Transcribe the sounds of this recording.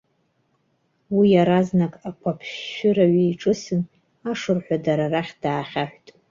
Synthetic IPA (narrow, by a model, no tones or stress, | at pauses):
wijaɾaznakʼakʷʰapʰɕʊɾaɥiiʈ͡ʂʼɨsɨn | aʂɨrħʷadaɾaraχʲd̥aːχʲaħʷtʼ